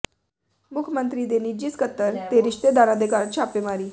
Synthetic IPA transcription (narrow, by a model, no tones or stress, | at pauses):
mukʰjəmənt̪ɾiːd̪enid͡ʑiːskət̪ːəɾt̪eɾiʂt̪ed̪aɾad̪ekaɾt͡ɕʰapʋemaɾiː